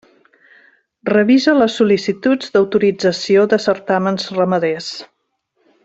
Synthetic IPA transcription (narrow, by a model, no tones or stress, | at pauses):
rəβizələsːulisit̪ud͡zd̪əwt̪uɾid͡zəsioðəsəɾt̪amənzrəməðes